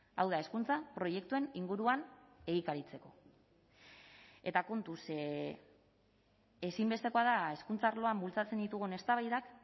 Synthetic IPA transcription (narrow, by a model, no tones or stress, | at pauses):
a̰wðae̞skunt͡sapɾo̞je̞kt̪ue̞niŋɡuɾuane̞ɣikaɾit͡se̞ko̞ | e̞t̪ako̞nt̪us | esimbe̞st̪e̞ko̞aðae̞skunt͡saːɾlo̞ambult͡sat͡se̞nd̪it̪uɣ̞une̞st̪aβajðak